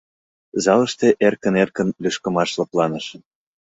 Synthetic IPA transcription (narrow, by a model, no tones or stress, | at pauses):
zɑlə̆ʃt̪eʔerkə̆nerkə̆nlyʃkə̆mɑʃlɤ̆plɑnə̆ʃə